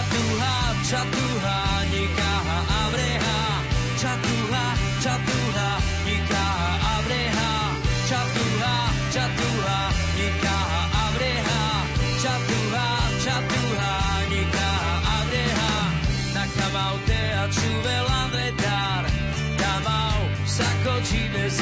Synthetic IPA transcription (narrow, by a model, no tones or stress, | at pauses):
t̪uɦa | t͡ʃat̪uɦa | ɲikaɦaʔabɾɛɦa | t͡ʃat̪uɦa | t͡ʃat̪uɦa | ɲikaɦaʔabɾɛɦa | t͡ʃat̪uɦ | t͡ʃat̪uɦa | ɲɛkaɦaʔabɾɛɦa | t͡ʃat̪uɦa | t͡ʃat̪uɦa | ɲɛkaɦaʔabɾɛɦa | nakamawt̪ɛ | at͡ʃuvɛlavɛt̪a | ɾ | t̪amaw | sakɔt͡ʃinɛz